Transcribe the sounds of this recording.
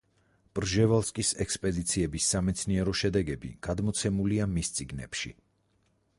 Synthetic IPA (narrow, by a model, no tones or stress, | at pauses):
pʼɾʒɛvalˠskʼisɛkspʼɛd̪it̪sʰiɛbisːamɛt̪sʰniɛɾɔʃɛd̪ɛɡɛbḭɡ̥ad̪mɔt̪sʰɛmuliamist̪sʼiɡnɛ̰pʃḭ